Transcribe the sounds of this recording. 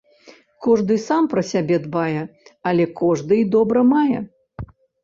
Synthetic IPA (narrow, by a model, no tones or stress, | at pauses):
kɔʐd̪ɨsampɾɐsʲabʲɛd̪bajɛɐlʲɛkɔʐd̪ɨid̪ɔbɾɐmajɛ̰